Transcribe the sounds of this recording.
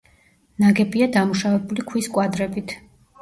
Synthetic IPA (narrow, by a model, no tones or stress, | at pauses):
naɡɛbiad̪amuʃavɛbulikʰwiskʼwad̪ɾɛbit̪ʰ